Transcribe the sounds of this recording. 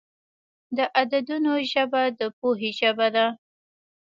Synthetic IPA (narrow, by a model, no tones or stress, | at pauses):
d̪əʔad̪ad̪unoʒəbad̪əp̚oɦeʒəbad̪a